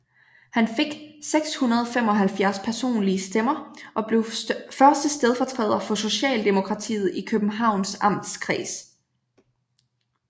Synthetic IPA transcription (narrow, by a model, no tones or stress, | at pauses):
hænfe̝ɡ̥seɡ̥shunɐð̞ˠɒfemɒ̽ɦælfjæɐspʰæɐso̝̰ːnliəsd̥emɐʔɒ̽bleʊfɶɐsd̥əsd̥eð̞ˠfɒ̽t͡sʰʁɛ̰ːð̞ˠɐfɒ̽so̝ɕɛ̰ːld̥e̝mo̝kʰʁɑ̈t͡sʰḭːð̩ˠikʰøb̥m̩ɦɑ̈ʊ̰nsʔɑ̈m̰d̥skʰʁḭːs